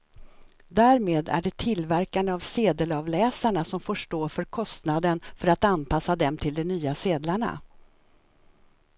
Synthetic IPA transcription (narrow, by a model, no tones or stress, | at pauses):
d̪æːɾmeːd̪æ̰ɖɛt̪ʰɪlːvæɾkand̪əavseːd̪əlɑːvlɛːsaɳasɔmfoːʂʈoːfœɾkʰɔst̪nad̪ənfœɾat̪anpʰasːad̪ɛmt̪ʰɪld̪ɛnyːaseːd̪laɳa̰